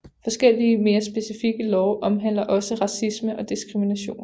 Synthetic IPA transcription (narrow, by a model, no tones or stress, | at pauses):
fɒ̽sɡ̥el̰iəme̝ːɐsb̥e̝sifiɡ̥əlɒʊʔɒ̽mɦæn̰lɐʔɒ̽səʁɑ̈sisməʔɒ̽d̥isɡ̥ʁiminæɕo̝̰ːn